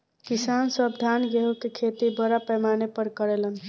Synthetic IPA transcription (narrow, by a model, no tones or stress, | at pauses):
kisansəbd̪ʱanɡeɦukekʰet̪ibəɾapɛmanepəɾkəɾelən